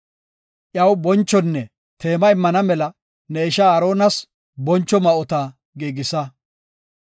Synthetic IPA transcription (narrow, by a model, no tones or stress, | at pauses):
ʔjɐwbɔnt͡ʃːɔnːɛ | t̪e̞ːmɐɪmːɐnɐmɛlɐ | nɛɪʃaːɾoːnɐs | bɔnt͡ʃːɔmɐɔt̪a | ɡeːɡɪsɐ